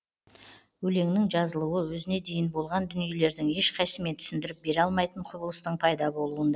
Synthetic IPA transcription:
wɵle̞ŋnɪŋʒɑzəlˠuwəwɵzɪne̞d̪e̞jɪnbo̞lˠʁɑnd̪ʏnije̞le̞ɾd̪ɪŋe̞ʃqʰɑjsəme̞nt̪ʰʏ̥sɪnd̪ɪɾɪp̚be̞ɾɑlˠmɑjt̪əɴqʰʊbəlˠəst̪əɴpʰɑjd̪ɑbo̞lˠuənd̪ɑ

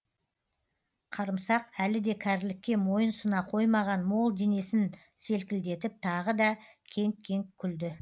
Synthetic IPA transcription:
qʰɑɾəmsɑqælɪd̪e̞kʲʰæɾlɪkʲːe̞mo̞jənsʊnɑqʰo̞jmɑʁɑnmo̞lˠd̪e̞ne̞sɪn | se̞lkʲɪld̪e̞t̪ɪp̚t̪ʰɑʁəd̪ɑ | kʲʰe̞ŋkʲʰe̞ŋkʲʰʏld̪ɪ

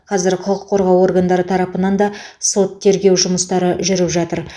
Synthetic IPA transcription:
qʰɑzɪɾqʰʊlˠəqʰːo̞ɾʁɑwo̞ɾɡand̪ɑɾət̪ʰɑɾɑpənɑnd̪ɑso̞t̪ʰːe̞ɾɡʲe̞wʒʊməst̪ɑɾəʒʏɾɪpʒɑt̪əɾ

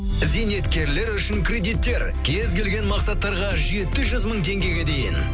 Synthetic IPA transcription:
zijne̞t̪kʲe̞ɾle̞ɾʏʃɪŋkʰrʲe̞d̪it̪ːe̞ɾ | kʲʰe̞zɡʲe̞lɡʲenmɑqsɑt̪ːɑɾʁɑʒe̞t̪ɪʒʏzməɴt̪ʰe̞ŋɡʲe̞ɡʲe̞d̪e̞jɪ̰n

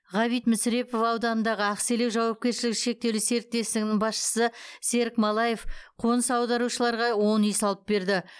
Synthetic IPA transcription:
ʁɑβijt̪mɪsɾe̞po̞fɑwd̪ɑnənd̪ɑʁəæqse̞le̞wʒɑwɑp̚kʲe̞ɾʃɪlɪkʃe̞k̚t̪e̞wlɪse̞ɾɪk̚t̪e̞st̪ɪŋɪnɪŋbɑsʃə̥səse̞ɾɪkmɑlˠɑje̞fqʰo̞nəsɑwd̪ɑɾuʃəlˠɑɾʁɑwo̞nijsɑlˠəp̚be̞ɾd̪ɪ

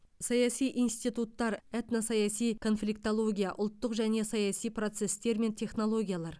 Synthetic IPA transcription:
sɑjɑsijʔinst̪ijt̪ut̪ːɑɾet̪nosɑjɑsijkʰo̞nflʲikt̪olˠo̞ɡʲijaʔʊlˠt̪ːəqʒæne̞sɑjɑsijpro̞t̪se̞st̪e̞ɾme̞nt̪ʰe̞χno̞lˠo̞ɡʲijalˠɑɾ

